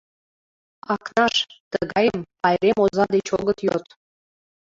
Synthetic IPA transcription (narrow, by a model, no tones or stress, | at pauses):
ɑknɑʃt̪əɣɑjəmpɑjɾemozɑd̪et͡ɕoɣət̪jot̪